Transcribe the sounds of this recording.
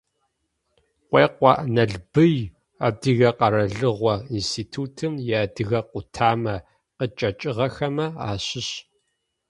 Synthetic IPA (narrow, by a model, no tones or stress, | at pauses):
qʷeːqʷɔʔnɐɮbɨj | adɨɣɐqɐɾɐɮɨʁʷɔinstʰiːtʰuːtʰɨmjaːdɨɣɐqʷʊtʰaːmɐ | qət͡ʃʼɐt͡ʃʼɪʁɐxɐmɐaːɕɪɕ